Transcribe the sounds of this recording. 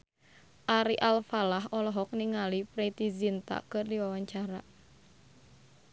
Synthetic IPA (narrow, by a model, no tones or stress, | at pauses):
ʔaɾiʔalfalaɦɔlɔɦɔk̚niŋalipɾet̪izint̪a̰kɨrdiwawaɲt͡ʃaɾa